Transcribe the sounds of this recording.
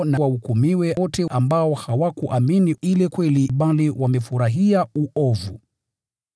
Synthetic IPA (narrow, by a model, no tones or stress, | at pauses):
nawaukumiwɛɔtɛʔambaɔhawakuʔaminiilɛkwɛliɓaliwamɛfuɾaɦiauʔɔvṵ